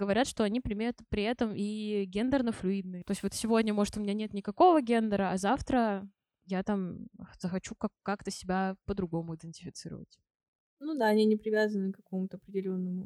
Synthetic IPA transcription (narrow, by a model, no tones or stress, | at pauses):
ɡəvɐɾʲat̪ʂt̪o̞ɐnʲipɾʲɪmʲet̪pɾʲɪɛt̪əmiɡʲend̪ərnəflʲʊid̪̚nɨt̪o̞ɪsʲtʲvot̪sʲɪvo̞dʲnʲəmo̞ʐɨt̪ʊmʲɪnʲanʲe̞t̪nʲɪkɐko̞vəɡʲe̞nd̪əɾəɐzaft̪ɾə | jat̪amzəxɐt͡ɕukakːakt̪əsʲɪbʲapəd̪ɾʊɡo̞mʊɪd̪ʲɨnʲtʲɪfʲɪt̪sɨɾə̰və̰tʲ | nud̪aɐnʲinʲɪpɾʲɪvʲazənɨkɐko̞mʊt̪əɐpɾʲɪdʲɪlʲo̞nːəmʊ